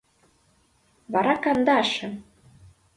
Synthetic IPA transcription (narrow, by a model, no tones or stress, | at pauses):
βɑɾɑkɑnd̪ɑɑʃɤ̆